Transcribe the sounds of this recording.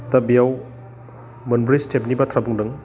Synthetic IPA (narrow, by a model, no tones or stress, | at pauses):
t̪ɐbijaw | mɐnbɾistʰep̚nibɐtʰɾabuŋdɯŋ